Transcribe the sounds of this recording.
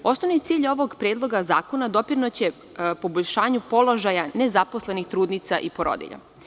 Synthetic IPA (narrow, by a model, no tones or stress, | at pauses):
o̞snoʋnit̪siːʎo̞ʋoɡpɾeːd̪lˠo̞ɡaza̰ːko̞nad̪o̞piɾnot͡ɕe̞ | po̞boʎʲʃaːɲupo̞lo̞ʒajanezapo̞slenixt̪ɾuːd̪nit̪saʔipoɾo̰d̪ḭʎa̰